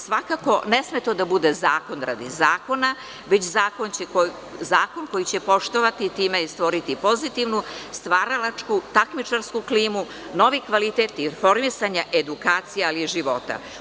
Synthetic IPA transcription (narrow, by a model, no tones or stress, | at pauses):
sʋakako̞ne̞sme̞t̪od̪abud̪e̞zaːko̞nɾa̰d̪izaːko̞na | ʋe̞t͡ɕzaːko̞nt͡ɕeko | zaːkonko̞jit͡ɕe̞po̞ʃt̪oʋat̪it̪iːmest̪ʋo̞ɾit̪ipo̞zit̪iʋnust̪ʋaːɾalat͡ʃkut̪akmit͡ʂaɾskukliːmu | no̞ʋikʋalit̪et̪ifo̞ɾmisaɲaʔed̪ukaːt̪sijealiʒiʋo̞t̪a̰